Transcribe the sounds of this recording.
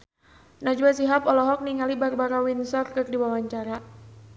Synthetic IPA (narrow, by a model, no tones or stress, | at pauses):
nad͡ʒwasiɦapɔlɔɦɔk̚niŋalibarbaɾawinsɔrkɨrdiwawaɲt͡ʃaɾa